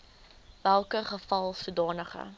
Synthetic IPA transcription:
vælˠkəχəfɐlˠsudɑːnəχə̰

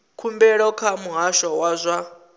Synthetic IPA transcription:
kʰumbɛɺɔkʰamuɦaʃɔwazʷa

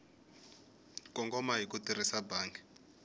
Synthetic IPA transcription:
kɔŋɡɔmaɦikutirisabaːŋɡi̥

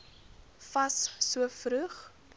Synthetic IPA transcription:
fɐsːuəfɾʉχ

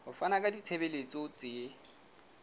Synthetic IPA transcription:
hʊfanakʼadit͡sʰebelet͡sʼot͡sʼe

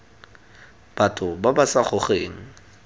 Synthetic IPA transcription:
b̥atʰʼʊbabasaχʊχeːŋ̩

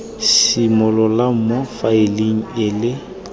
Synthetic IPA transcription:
simʊlɔlam̩mofaɪliŋ̩elɪ

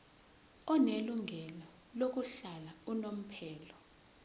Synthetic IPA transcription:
ɔneluŋʱɛlɔ | lok̬uɬalaunom̩pʰɛːlɔ

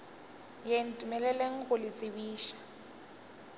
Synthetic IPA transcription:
jen̩tʼumɛlɛleŋ̩ɣʊlɪt͡sʼɪβiːʃḁ

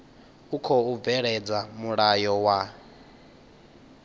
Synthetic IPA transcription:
ukʰɔub̪vɛɺɛd͡zamuɺajɔwa

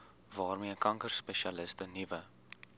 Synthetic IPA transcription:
vɑːrmiəkɐŋkərspɛʃiɐləstənivə

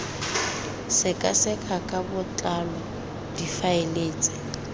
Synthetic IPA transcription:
sɪkʼasɛkʰakʼabʊt͡ɬʼalɔ | d̥ifaeleːt͡sʼɪ̥

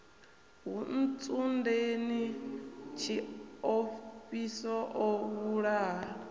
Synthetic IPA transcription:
ɦun̩t͡sʼundeni | t͡ʃʰiofisɔʔɔwuɺa

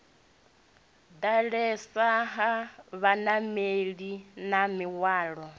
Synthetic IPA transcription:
d̪aɺɛsaɦaβanameɺinamiwaːɺɔ

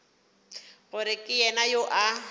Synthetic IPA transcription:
ɣʊɾɪkʼɪjɛnajoʔa

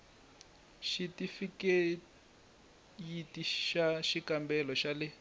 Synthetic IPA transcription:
ʃitifike | jitiʃaʃikambɛlɔʃalɪ

